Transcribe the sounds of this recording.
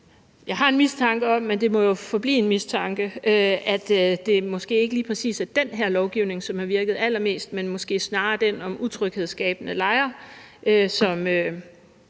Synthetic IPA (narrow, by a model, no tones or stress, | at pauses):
jɑ̈ɪɦɑ̈e̝nmist͡sʰɑ̈ŋɡ̥əɒ̽mːend̥e̝mɒ̽jo̝fɒ̽b̥lḭːe̝nmist͡sʰɑ̈ŋɡ̥əøæd̥d̥e̝mɒ̽sɡ̥e̝̰ːe̝ɡ̥əliːpʰʁɛsḭːsæd̥enɦæɐ̰lɒʊɡ̥iʊne̝ŋsɒ̽mhɑ̈ʋiɐɡ̥ð̞̩ˠæl̰ɐme̝̰ːsd̥menmɒ̽sɡ̥e̝̰ːsnɑ̈ːd̥enɒ̽mut͡sʰʁœɡ̥he̝ð̞̰ˠsɡ̥ɛ̰ːb̥ənəlɑ̈ɪɐøsɒ̽mø